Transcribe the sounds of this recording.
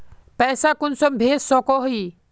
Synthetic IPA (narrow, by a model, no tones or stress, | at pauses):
pɛːsakʊnsəmbʱeːssoːkoɦuiː